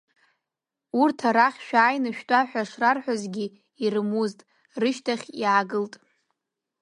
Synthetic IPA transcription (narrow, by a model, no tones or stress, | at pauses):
urtʰaɾaχʲʃᶣaːjnɨʃᶣtʼaħʷᶣaʂrarħʷᶣazɡʲi | irɨmuztʼ | rɨʃtʰaχʲiaːɡɨltʼ